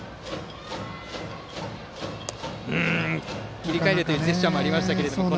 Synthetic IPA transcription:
ɯ̃ | kʲiɾʲikaeɾɯt̪ojiɯːzeɕɕamoaɾʲimaɕi̥t̪ake̞ɾe̞d̪ooo

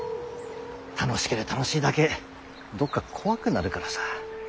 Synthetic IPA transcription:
t̪ʰano̞ɕi̥keɾet̪ano̞ɕiːd̪ake̞ | d̪o̞kːakʰo̞βakɯ̟naɾɯ̟kaɾasḁ

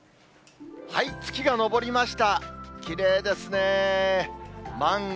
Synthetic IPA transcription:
hait͡sɨ̥kʲiɡano̞bo̞ɾʲimaɕi̥t̪akʲiɾe̞ːd̪e̞sɨne | mãŋ

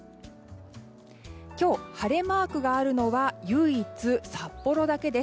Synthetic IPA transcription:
kʲo̞ːhaɾe̞maːkɯ̟ɡaːɾɯ̟no̞βajɯ̟ːit͡sɨsapːo̞ɾo̞d̪ake̞d̪e̞s

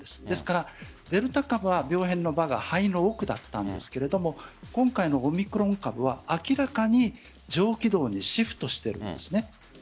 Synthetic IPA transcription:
d̪esɨ̥d̪̥e̞sɨ̥kaɾa | d̪e̞ɾɯ̟t̪akabɯ̟βabʲo̞ːɦẽ̞nːo̞baɡahaino̞ːkɯ̟d̪a̰t̪ːãnd̪e̞̰sɨ̥ke̞ɾe̞d̪o̞mo̞kõ̞ŋkaino̞ːmʲikɯ̟ɾõ̞ŋkabɯ̟β̞aakʲiɾakaɲ̟i | d͡ʑo̞ːkʲid̪o̞ːɲ̟iɕiɸɯ̟̥t̪o̞ɕi̥t̪eɾɯ̟̰̃nd̪e̞sɨne̞

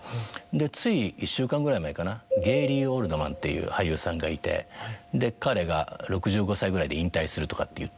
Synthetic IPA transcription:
d̪e̞t͡sɨiiɕːɨːkãŋɡɯ̟ɾaimaekanaɡe̞ːɾʲiːoɾɯ̟d̪o̞mã̰nt̪ːe̞̰jɯ̰ːhajɯ̟ːsãŋɡait̪e̞̰d̪e̞kaɾe̞ɡa̰ɾo̞kɯ̟ʑɨːɡo̞saiɡɯ̟ɾaid̪e̞ĩnt̪aisɨɾɯ̟t̪o̞kat̪ːe̞jɯ̟

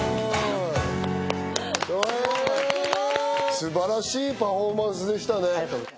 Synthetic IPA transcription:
o | sɨbaɾaɕiːpaɸomãɰ̃s̬ɨd̪e̞ɕi̥t̪anet̪

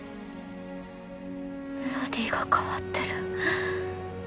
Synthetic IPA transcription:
nod̪iːɡakʰaβat̪ːeɾɯ

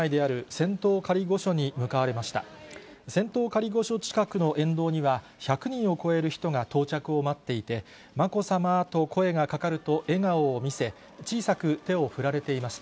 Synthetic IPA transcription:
aid̪e̞aɾɯ̟sẽ̞nt̪o̞ːkaɾʲiɡo̞ɕo̞ɲ̟imɯ̟kaβaɾe̞maɕi̥t̪a̰ | sẽ̞nt̪o̞ːkaɾʲiɡo̞ɕo̞t͡ɕi̥kakɯ̟no̞ʔẽ̞nd̪o̞ːɲ̟iβa | çakɯ̟ɲ̟ĩɰ̃o̞ko̞e̞ɾɯ̟çi̥t̪o̞ŋat̪o̞ːt͡ɕakɯ̟o̞mat̪ːe̞it̪e̞ | mako̞samat̪o̞kʰo̞e̞ɡakakaɾɯ̟t̪o̞ʔe̞ŋaoːmʲise̞ | t͡ɕiːsakɯ̟t̪e̞o̞ɸɯ̟ɾaɾe̞t̪e̞imaɕi̥t̪a

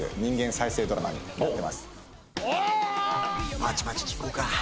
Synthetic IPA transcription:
ḛɲ̟ĩŋɡẽ̞ɰ̃saise̞ːd̪o̞ɾa̰ma̰ɲ̟ḭmat̪ːe̞ma̰sɨ̥ | mat͡ɕi̥mat͡ɕi̥kkoka

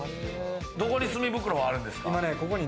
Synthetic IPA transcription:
d̪o̞ko̞ɲʲisɨmʲibɯ̟kɯɾoβaːɾɯ̟̃nd̪e̞sɨ̥kaimaneko̞ko̞ɲ̟i

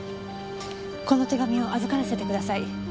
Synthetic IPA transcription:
ko̞no̞t̪e̞ɡamʲio̞ʔazɨkaɾase̞t̪e̞kɯd̪asai

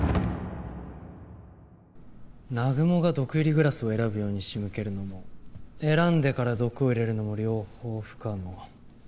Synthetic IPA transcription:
naɡɯ̟mo̞ɡad̪o̞kɯ̟iɾʲiɡɯ̟ɾasɨo̞e̞ɾabɯ̟jo̞ːɲ̟iɕimɯ̟ke̞ɾɯ̟no̞mo̞e̞ɾãnd̪e̞kaɾad̪o̞kɯ̟o̞iɾe̞ɾɯ̟no̞mo̞ɾʲo̞ːho̞ːɸɯ̥kano

